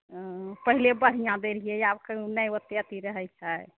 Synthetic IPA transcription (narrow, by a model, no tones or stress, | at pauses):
pəɦilebəɽ̤ijãd̪eɾijeabkəunəjət̪jat̪iɾəɦɛjt͡ʃʰaj